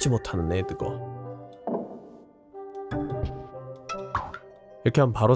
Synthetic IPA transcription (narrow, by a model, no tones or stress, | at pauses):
d͡ʑimotʰanɯnetɯɡo̰ | iɾʌkʰeɦanpaɾo